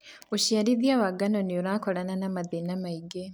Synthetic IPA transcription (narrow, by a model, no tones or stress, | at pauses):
uʃiaɾiðiawaɡanonioɾaːkɔɾananamaðenamaiɡe